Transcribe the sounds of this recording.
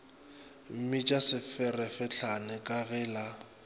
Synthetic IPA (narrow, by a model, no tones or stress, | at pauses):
m̩mɪt͡ʃʼasɪfɛrɛfɪɬʰanɛkʼaɣɛːla